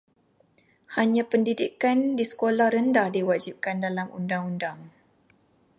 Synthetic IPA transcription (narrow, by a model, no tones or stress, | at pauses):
haɲãpəndidikandisə̥kolahrəndahdiwad͡ʒip̚kandalamṵndaŋundaŋ